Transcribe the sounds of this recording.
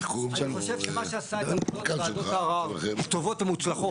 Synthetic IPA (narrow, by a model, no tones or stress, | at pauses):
ʃanχoʃevʃemaʃeasakad̪oaʁavat̪ovot̪amut͡slaχo